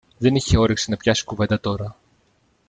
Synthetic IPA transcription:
ðe̞niçe̞o̞ɾiksinɐpçɐsi̥kuve̞nd̪ɐt̪o̞ɾɐ

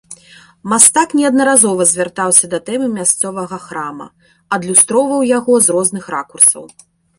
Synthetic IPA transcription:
mast̪aknʲɛɐd̪nɐɾazɔvɐzʲvʲart̪awsʲɐd̪ɐt̪ɛmɨmʲast̪sɔvɐɣɐxɾamɐ̰ | ɐd̪lʲust̪ɾɔvɐwjaɣɔzrɔznɨxɾakursɐ̰w

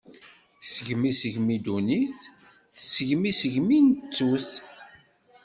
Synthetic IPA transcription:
səʝmisəʝmid̪uniθ | θəsəʝmisəʝminət͡sːuθ

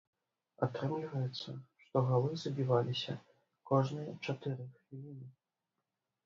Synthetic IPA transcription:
a̰t̪ɾɛmlʲivɐjɛt̪sːɐʂt̪ɔɣalˠɨzɐbʲivalʲisʲɐ | kɔʐnɨjɐt͡ʂat̪ɨɾɨxfʲilʲinʲɨ

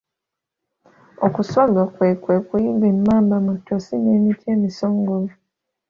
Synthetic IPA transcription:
okusalakwekwekujiɡemːaːmbamutːosineːmitʰie̞ːmisoːŋɡoli

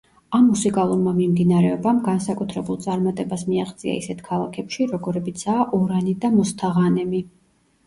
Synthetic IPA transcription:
amːusikʼalˠuɾmamimd̪inaɾɛɔbamɡansakʼut̪ʰɾɛbulˠt̪sʼaɾmat̪ʼɛbasmiaʁʼd̪zʼia̰isɛt̪ʰkʰalˠakʰɛpʃiɾɔɡɔɾɛbit̪sʰaːʔɔɾanid̪amɔst̪ʰaʁanɛmi

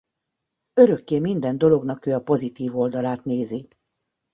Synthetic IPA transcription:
ø̞ɾø̞kːeːmind̪ɛnd̪o̞lo̞ɡnɒkøːɒpo̞zit̪iːvo̞ld̪ɒlaːt̪neːzi

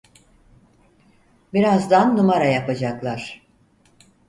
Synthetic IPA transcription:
biɾazd̪anːumaɾajapad͡ʒaklˠaɾ̥

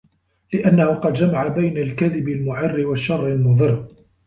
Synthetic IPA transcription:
lɪʔanːahʊqɑd̪d͡ʒamaʕabajnalkaðɪbalmʊʕɪrːɪwaʃːɑrˤːɪlmʊðˤɨrː

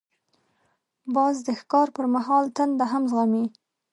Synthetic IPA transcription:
bɑzd̪əxkɑɾpəɾmaɦɑlt̪anbaɦamzɣami

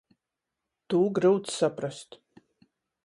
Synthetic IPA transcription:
t̪uːɡɾɨwt̪ssapɾast̪

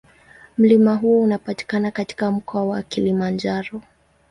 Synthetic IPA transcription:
m̩limaɦuɔunapati̥kanakati̥kam̩kɔawakilimand͡ʒaɾɔ

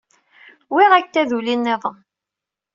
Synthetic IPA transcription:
wiʁækt̪ːæðulinːɪðˤəm

